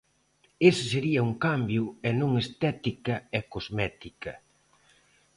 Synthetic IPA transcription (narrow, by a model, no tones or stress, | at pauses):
esɪseɾiɐuŋkambjʊɛnõŋest̪ɛt̪ikɐɛkozmɛt̪ikɐ